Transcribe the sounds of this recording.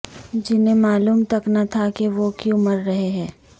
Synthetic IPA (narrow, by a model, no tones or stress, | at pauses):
d͡ʒɪnẽmaːluːmt̪ɐknat̪ʰakeʋokjũmɐɾːɐɦeɦɛ̃ː